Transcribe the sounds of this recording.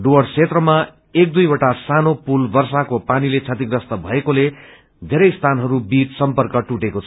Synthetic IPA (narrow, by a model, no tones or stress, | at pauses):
ɖoʌɽt͡sʰet̪rʌma | ek̚d̪ujbʌʈasanopulbʌrsakopanilet͡sʰʌt̪iɡɾʌst̪ʌbʱʌekole | d̪ʱeɾʌjst̪ʰanɦʌɾubid͡zsʌmpʌrkʌʈuʈekot͡sʰʌ